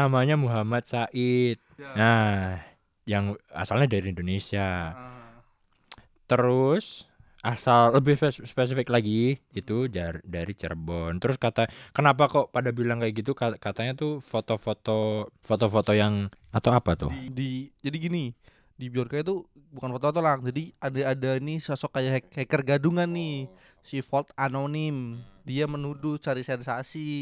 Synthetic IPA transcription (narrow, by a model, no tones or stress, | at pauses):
amaɲamuɦamat̪̚saʔɪt̪̚nah | jaŋa̰salɲadaɾiindonesia | t̪əɾʊs | ʔasalːəbɪhspes̬ifɪklaɡiːt̪udadaɾit͡ʃə̰rbɔnt̪əɾʊskat̪akənap̬akopadabilaŋkajaɡit̪̬ukakat̪aɲat̪ufot̪ofot̪ofot̪ofot̪ojaŋat̪awapat̪ʊ̰did͡ʒadiɡini | dibiɔrkat̪u | bukanfot̪ofot̪olaŋd͡ʒadiadaadanisasɔkːajaɦɛkhɛkərɡaduŋanːɪ | sifɔlt̪anonɪmdiamənudʊst͡ʃaɾisɛnsasi